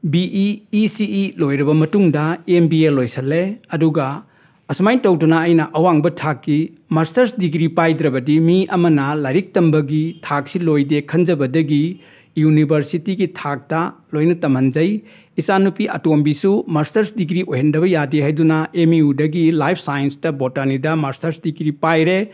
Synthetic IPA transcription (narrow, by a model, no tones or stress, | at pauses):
biʔiːsiilojɾɐbɐmɐtuŋdɐembielːojsɐlːeɐduɡɐ | ɐsmajtɐwdunɐːjnɐʔɐwaŋbɐtʰakːi | mɐɾstɐɾsdiɡɾipajd̪ɾɐbɐdimiɐmɐnɐlajɾik̚tɐmbɐɡitʰak̚silojdekʰɐnd͡ʒɐbɐdɐɡi | junibʱɐɾsitiɡitʰak̚talojnɐtɐmɐnd͡ʒɐj | isanupiʔɐ̰tombisumɐɾstɐɾsdiɡɾiʔojhɐndɐβɐjadeɦajdunɐemiudɐɡilajpʰsajnstɐbotanidɐmɐɾstɐɾsdiɡɾipajɾe